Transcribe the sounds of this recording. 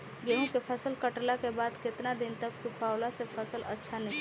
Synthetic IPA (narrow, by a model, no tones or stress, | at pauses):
ɡeɦõkepʰəsəlkəʈlakebaːd̪kɪt̪nad̪ɪnt̪əksupʰaːwlasepʰəsələ̰tːʃʰanɦĩ